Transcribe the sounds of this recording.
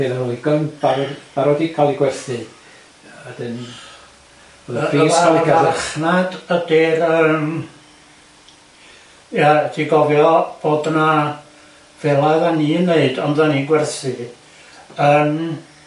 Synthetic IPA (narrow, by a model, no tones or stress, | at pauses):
benaolˠiɡənb̥aɾɔb̥aɾɔdikʰalˠiɡwɛrθɨ | ɛdɨn | əðəisaakʰaaχnadəd̥ɪrəːm | jad̥iɡɔvjɔb̥oːdəna | v̥ɛlˠaðaniənːeɨdɔnðaniɡwɛrθɨ | əːm